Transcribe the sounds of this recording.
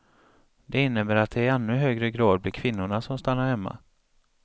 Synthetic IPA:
d̪ɛɪnːəbæːɾat̪̚d̪ɛɛnːɵɦøːɡɾəɡɾɑːd̪̚blɪɾkʰvɪnːʊɳasɔmst̪anːaɾhɛmːa̰

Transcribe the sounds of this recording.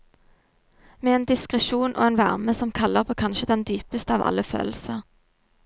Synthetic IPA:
meːeːnd̪ɪskʁɛʃuːnʔo̰ːeːnʋæʁməsɔmkʰɑləʁpʰoːkʰɑnʃəd̪ɛnd̪yːpəst̪əɑːʋɑ̰lːəfø̰ːllsəʁ

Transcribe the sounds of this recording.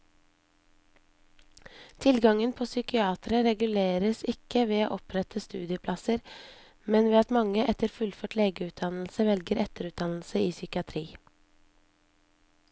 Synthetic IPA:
t̪ʰɪlɡɑŋənpʰoːsʏkɪɑːt̪ɾəɾɛɡʉleːɾəsɪkəʋeːo̰ːʔɔpʰɾɛt̪ʰəst̪ʉːd̪ɪəpʰlɑsəɾ | mɛnʋeːɑt̪mɑŋəʔɛt̪əɾfʉlføːʈleːɡəʉːt̪̚d̪ɑnl̩səʋɛlɡəɾɛt̪əɾʉːt̪̚d̪ɑnl̩səiːsʏkɪɑt̪ʰɾiː

